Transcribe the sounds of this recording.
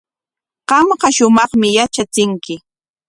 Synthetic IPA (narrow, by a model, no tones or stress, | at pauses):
ɢɑmɢɑʃʊmɑχmɪjat͡ʃat͡sɪŋkɪ